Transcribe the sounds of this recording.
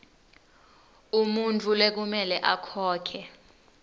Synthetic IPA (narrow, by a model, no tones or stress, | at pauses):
umuntʼulɛk̬umɛlɛʔakʰɔːkʰɛ